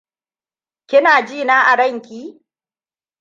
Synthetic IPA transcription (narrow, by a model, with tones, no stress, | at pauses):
kʲɪ˦naː˨d͡ʒiː˦˨naː˦ʔa˨ɽɐ˦˨ŋkʲiː˦